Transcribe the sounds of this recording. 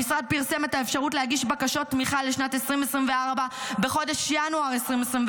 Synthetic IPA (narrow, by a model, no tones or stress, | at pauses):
isʁad̪̚piʁse̞met̪aefʃaʁutlehaɡiʃbakaʃo̞tːmiχaleʃnatesʁimesʁimveaʁbabe̞χo̞deʃjanuaʁesʁimesʁim